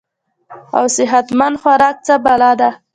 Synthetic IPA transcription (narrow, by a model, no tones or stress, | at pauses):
a̰wsɪɦat̪mand̪xwaɾɑk̚t͡səbalɑd̪a